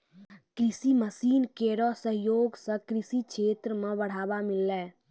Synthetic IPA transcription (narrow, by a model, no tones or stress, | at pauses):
kɾɪsiməsiːnkeɾɔsəɦjoːɡsə̃kɾisiʃʰeːt̪ɾəmẽbəɽ̤aːbamɪlːɛː